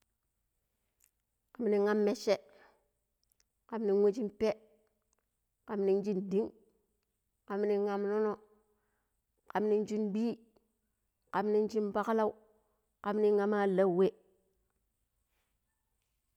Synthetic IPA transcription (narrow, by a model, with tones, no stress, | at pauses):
ka˨m˦ni˨˦ŋa˦mːe˦ʃe˦ | ka˨m˦ni˨˦nwe˦t͡ʃi˦npe˦ | ka˨mni˦nd͡ʒi˦ndi˦ŋ | ka˨mni˦ŋa˦mno˦no˦ | ka˨mni˦nd͡ʒi˦nbiː˦ | ka˨mni˦nd͡ʒi˦nba˦kla˦u˦ | ka˨mni˦ŋa˦ma˦la˦˨we˦